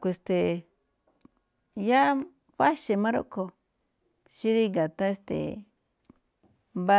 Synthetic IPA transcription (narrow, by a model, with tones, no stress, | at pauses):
kʷe˧˨st̪e˨ | ja˦ | ɸa˦ʃe˧mã˦ɾo̰˦ʔko˧ | ʃi˦ɾi˦ɡa˨t̪ã˦e˧˦st̪ḛ˨ | mba˦